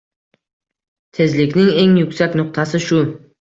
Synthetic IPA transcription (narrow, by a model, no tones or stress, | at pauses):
t̪ʰe̞zlɪkʲnɪŋe̞ŋjʊkʲsakʲnʊq̚t̪ʰasɪʃʊ